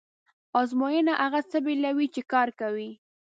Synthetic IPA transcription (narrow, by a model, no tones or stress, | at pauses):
ɑzmojənaʔaɣat͡səbelawit͡ʃekɑɾkawi